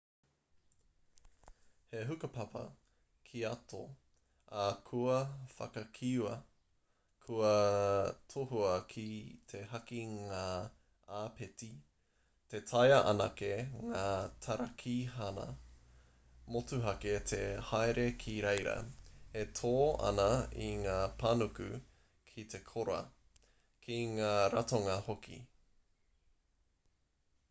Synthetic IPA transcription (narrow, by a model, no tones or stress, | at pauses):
heɦʉkɐpʰɐpɐ̰ | kʰiɐto | akʰuɐfɐ̰kɐkʰiɐ | kʰuɐ | tʰoɦuɐkʰit̪ʰehɐkiŋaː | aːpʰeti | tetʰajɐʔɐ̰nɐkeŋaːt̪ʰɐɾakʰiɦanɐ̰ | motuɦɐket̪ʰehaeɾekʰiɾejɾɐ̰hetʰoːɐ̰nɐiŋaːpʰɐnukʉ | kʰit̪ʰe̞kʰoɾɐ̰ | kʰiŋaːɾatoŋɐhokḭ